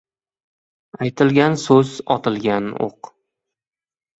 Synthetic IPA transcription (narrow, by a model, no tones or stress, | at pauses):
ajt̪ʰɪlɡʲansɵzɒ̰t̪ʰɪlɡʲano̰q